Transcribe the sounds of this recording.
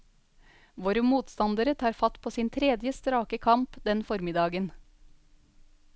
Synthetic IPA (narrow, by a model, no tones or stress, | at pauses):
ʋoːɾəmuːt̪st̪ɑnd̪əɾət̪ʰɑːɾfɑt̪pʰoːsiːnt̪ʰɾɛd̪jəst̪ɾɑːkəkʰɑmpd̪ɛnfɔɾmɪd̪ɑːɡən